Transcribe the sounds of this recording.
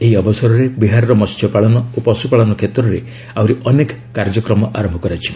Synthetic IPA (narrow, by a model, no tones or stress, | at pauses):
eɦiɔbɔsɔɾɔɾebiɦaɾɔɾɔmɔst̪ʰjɔpaɭɔnɔopɔsupaɭɔnɔkʰet̪ɾɔɾe | awɾiɔnekɔ | kaɾd͡ʒɔkɾɔmɔʔaɾɔmbʱɔkɔɾat͡ʃʰi̥